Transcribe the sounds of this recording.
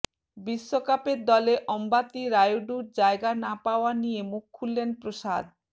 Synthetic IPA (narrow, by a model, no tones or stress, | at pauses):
biʃːokapeɾd̪ɔleʔɔmbat̪iɾajuɖuɾd͡ʑaeɡanapaoanijemukʰːulːenpɾoʃa̰d̪̚